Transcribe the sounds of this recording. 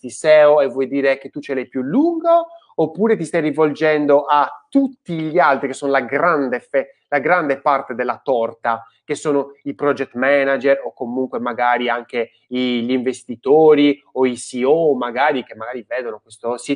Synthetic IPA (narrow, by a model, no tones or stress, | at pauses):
t̪isɛːoɛvːɔjd̪iːɾeket̪ːut͡ʃːɛlɛjpjulːuŋɡoː | pːuːɾet̪ist̪ajrivold͡ʒɛnd̪oʔatt̪ːut̪ːiʎialt̪ɾikesːoːnolaɡɾand̪efɛ | laɡɾand̪epart̪ed̪elːat̪ɔrt̪a | kesːoːnoipɾɔd͡ʒɛt̪ːmɛnad͡ʒɛɾokːomuŋkwemaɡaːɾiaŋke | iʎiɱvest̪it̪oːɾi | oisiomaɡaːɾikemːaɡaːɾivɛːd̪onokwest̪osi